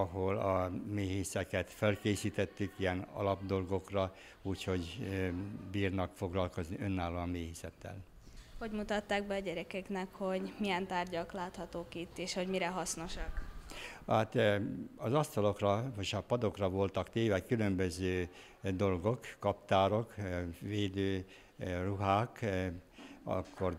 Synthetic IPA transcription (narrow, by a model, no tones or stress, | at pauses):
ɒɦolɒmeːɦisɛkɛt̪fɛlkeːsiːt̪ɛt̪ːykijɛnɒ̰lɒbd̪o̞lɡo̞krɒ | uːcho̞ɟ | biːrnɒkfo̞ɡlɒlko̞zniønːaːloɒmeːhisɛt̪ːɛ̰l | ho̞ɟmut̪ɒt̪ːaːɡ̚bɛɒɟɛɾɛkɛknɛkho̞ɟmijɛnt̪aːrɟɒklaːt̪hɒt̪oːkit̪ːeːʃho̞ɟmiɾɛɦɒsno̞ʃɒk | at̪ɒzɒst̪ɒlo̞krɒmoʃɒpɒd̪o̞krɒvo̞lt̪ɒkt̪eːvɛkylø̞mbøzøː | d̪o̞lɡo̞kːɒpt̪aːɾo̞kʋeːd̪øː | ruɦaːk | ɒ̰kʰːo̞r